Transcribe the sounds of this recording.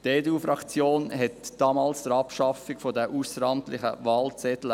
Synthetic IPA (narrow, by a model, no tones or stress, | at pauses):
teːdufɾɑkt͡sjoːnhɛtd̥ɑːmɑːlsd̥əɾɑpʃɑfiɡfɔdəʔusəɾɑmt̪lɪχə̰ʋɑːlt͡sɛtlə